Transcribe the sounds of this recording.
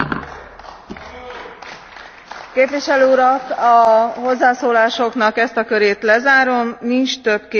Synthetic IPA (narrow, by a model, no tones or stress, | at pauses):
keːpʋiʃɛløːuɾɒkɒɦo̞zːaːsoːlaːʃo̞knɒkɛst̪ɒkøɾeːt̪lɛzaːɾo̞mnint͡ʃt̪ø̞bke